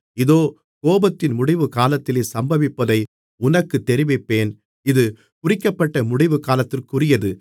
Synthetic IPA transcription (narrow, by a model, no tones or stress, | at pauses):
ɪðoː | koːbɐt̪ːɪnmʊɽɪʋɯkaːlɐt̪ːɪleːsɐmbɐʋɪpːɐðɐɪ | ʊnɐkːɯt̪ːɛɾɪʋɪpːeːn | ɪðɯ | kʊrɪkːɐpːɐʈːɐmʊɽɪʋɯkaːlɐt̪ːɪrkʊrɪjɐðɯ